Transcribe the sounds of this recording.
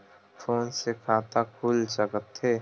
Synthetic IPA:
fʰoːnsekʰaːt̪akʰuːlt͡ʃəkət̪ʰːeː

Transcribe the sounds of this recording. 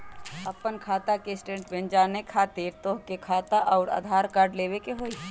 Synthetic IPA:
ɐpənkʰaːt̪akesʈẽɳʈbẽnd͡ʒaːnekʰaːt̪ɪɾt̪oːkekʰaːt̪aʔɔːɾa̰ːd̪ʱaːɾkaːɾɖleːʋekeɦoːi

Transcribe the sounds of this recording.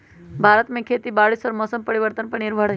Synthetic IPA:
bʱaːɾət̪mẽkʰet̪ibaːɭisɔɾmɔːsəmpəɾiʋəɾt̪ənpəɳniɾbʱaɽ

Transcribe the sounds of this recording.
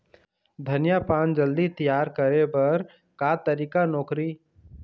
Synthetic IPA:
d̪ʱənjapaːnd͡ʒəld̪it̪ijaːɾkəɾepɐɾ | kaːt̪əɾiːkanɔːkɾi

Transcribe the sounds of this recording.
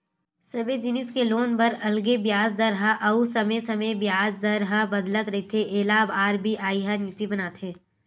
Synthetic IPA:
sɐbed͡ʒɪnɪskeloːnbɐɾɐlɡebjaːzd̪ɐɾɦaʔɐusɐmesɐməbjaːzd̪ɐɾɦabɐd̪lət̪ɾɐit̪ʰeʔeːlaːbaːɾbʱiʔaːiɦanit̪ibɐnaːt̪ʰeː

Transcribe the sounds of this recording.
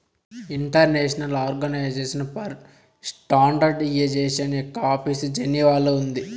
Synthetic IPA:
iɳʈɐɾneːʃɐnɐlaːɾɡɐnɐjd͡ʒe̞ːsinɐpɐɾ | sʈaːɳɖɐɾɖijed͡ʒeːsɐniɔkːɐaːpʰiːsd͡ʒeniʋaːloːund̪i

